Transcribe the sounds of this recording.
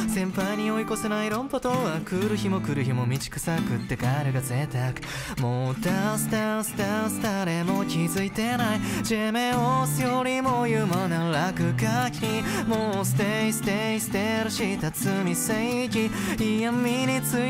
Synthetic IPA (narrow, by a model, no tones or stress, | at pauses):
sẽ̞mpaiɲ̟io̞iko̞senaiɾõ̞mpat̪oakɯɾɯ̟çimo̞kɯ̟ɾɯ̟çimo̞mʲit͡ɕi̥kɯ̟̥sakɯ̟t̪ːe̞kaɾɯɡaze̞t̪akɯ̟̥ | mod̪asɨ̥t̪asɨ̥t̪asɨ̥t̪aɾemo̞kʲizɨit̪e̞naid͡ʑemeosɨjoɾʲimojɯmanaɾakɯ̟kaçʲʰimoːsɨ̥t̪eisɨ̥t̪eisɨ̥t̪eɾɯɕit̪at͡sɨmʲiseikʲiijãmːiɲit͡sɨ